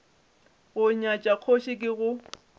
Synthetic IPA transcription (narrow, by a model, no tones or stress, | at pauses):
ɣʊɲat͡ʃʼaq͡χʰoʃɪkʼɪɣʊ